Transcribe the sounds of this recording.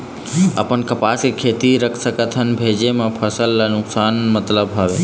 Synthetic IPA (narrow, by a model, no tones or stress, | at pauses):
ə̰pənkəpaskekʰeːt̪iɾəkʰsəkət̪ʰənbʱeːd͡ʒemãpʰəsəlːanʊksaːnmət̪ləbɦaʋe